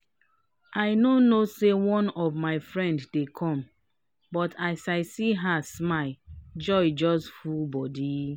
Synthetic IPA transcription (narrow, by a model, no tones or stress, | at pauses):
ʔaɪnonosewɔ̃nɔvmaɪfɹɛ̃nddekʰɔ̃m | bɔtʰaɪsaɪsiɦasmaɪd͡ʒɔɪd͡ʒɔstfulbɔdi